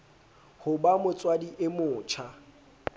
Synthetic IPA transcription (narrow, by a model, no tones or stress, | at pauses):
hʊbamʊt͡sʼwadiʔɪmʊːt͡ʃʰa